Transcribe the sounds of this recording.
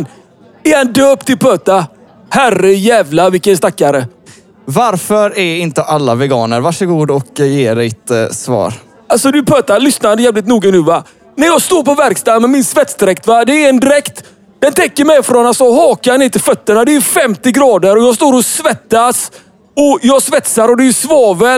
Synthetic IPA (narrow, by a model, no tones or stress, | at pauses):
n | ɛhand̪øːpt̪ɪlpʰøːt̪a | hærəjɛːvlavɪkːənst̪akːaɾə | vaɾfœɾæɪnt̪əʔalːa̰vɛɡɑːnə̰ɾvaʂəɡuːd̪ɔkjeːɖɛjt̪svɑ̰ːɾ | alsɔd̪ɵpʰøːt̪alʏsnad̪əjɛːvlɪt̪̬nuːɡanʉ̟ːva | næjɑːɡst̪oːɾpɔvæɾkst̪ɑːd̪mɛnmɪnsvɛt̪sd̪ɪɾɛkt̪vad̪ɛːɾɛnd̪ɪɾɛkt̪ | d̪̥ɛnt̪ʰɛkːəɾmɛjfɾɔnat̪sɔhɑːkanɪːt̪ʰɪlfœt̪ːənad̪ɛæfɛmt̪ɪɡɾɑːd̪əɾɔjɑːɡs̬t̪oːɾɔsvɛt̪ːas | ɔjɑːɡsvɛt̪saɾɔd̪ɛsvɑːvə